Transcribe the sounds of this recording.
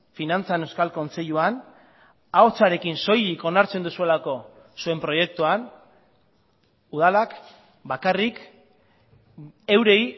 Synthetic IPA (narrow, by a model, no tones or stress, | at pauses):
finant͡sane̞wskalko̞nt͡se̞ʎuan | ao̞t͡saɾe̞kinso̞jiko̞naɾt͡se̞nd̪usue̞lako̞ | sue̞mpɾo̞je̞k̚t̪uan | uðalak | bakarik | e̞wɾe̞j